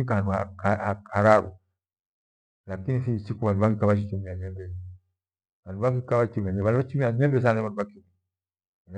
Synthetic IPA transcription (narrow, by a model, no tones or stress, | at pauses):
ikaanduha̰kahakʰaɾaɾṵ | lakinisisikuβanduβaɡikaβat͡ʃ̬it͡ʃimiaɲɛmbɛi | banduβaɡikaβat͡ʃimaɲɛβanuβat͡ʃimiaɲɛmbɛs̬anɛβanduβakimi | n